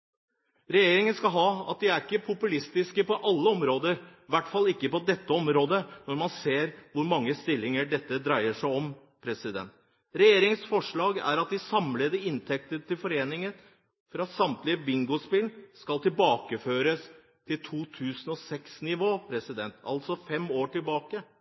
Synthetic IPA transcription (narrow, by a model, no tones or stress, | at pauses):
ɾɛjeːɾɪŋənskɑlɦɑːɑ̰t̪̚d̪ɪæɾɪkːəpʰʊpʉlɪst̪ɪskəpɔʔɑlːəɔmɾoːd̪əɾʋæʈfɑlːɪkːəpɔd̪ɛt̪ːəɔmɾoːd̪ənɔɾmɑnseːɾʋʊɾmɑŋːəst̪ɪlːɪŋəɖɛt̪ːəd̪ɾæɪəʂæɪɔm | pʰɾɛsɪd̪ɛ̰nt̪ | ɾɛjeːɾɪŋsfɔʂɭɑːɡæ̰ɾɑt̪̚d̪ɪsɑmleːd̪əɪnt̪ʰɛk̚t̪ət̪ɪlfɔɾeːnɪŋən | fɾɑsɑmt̪lɪəbɪŋɡʊspɪlskɑlt̪ɪlbɑːkəføːɾəs | t̪ʰɪlt̪ʰuːt̪ʰʉːsnɔsɛksnɪʋoːpʰɾɛsɪd̪ɛnt̪ɑ̰lt̪sɔfɛmoːʈɪlbɑːkə